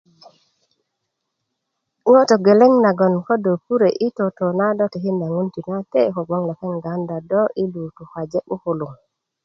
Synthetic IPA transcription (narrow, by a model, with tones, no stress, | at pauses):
wo˦to˨ɡe˨le˦ŋna˨ɡo˨nko˦do˨pu˦ɾe˨ʔi˦to˨to˨na˦do˦ti˨hi˦nda˨ŋu˦nti˨na˦te˦ko˨ɡ͡bo˦ŋla˨pe˦ŋɡa˨˦nda˨do˦ʔi˦lu˨tu˨xa˨d͡ʒe˦ɓu˦ku˨lu˨ŋ